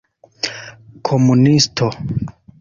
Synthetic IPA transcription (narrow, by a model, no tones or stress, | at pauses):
kʰomunistʰo